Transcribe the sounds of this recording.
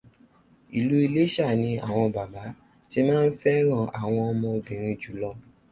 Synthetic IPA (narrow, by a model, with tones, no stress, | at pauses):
i˨lu˦i˧le˦ʃa˦˨nĩ˧a̰˦˨w̃ɔ̃˧ba˨ba˨˦ | ti˦mãː˦n̩˦fɛ˦ɾ̃ã˦˨a˨w̃ɔ̃˧ɔ˧mɔ̃˧bĩ˨ɾ̃ĩ˧d͡ʒu˨˦lɔ˧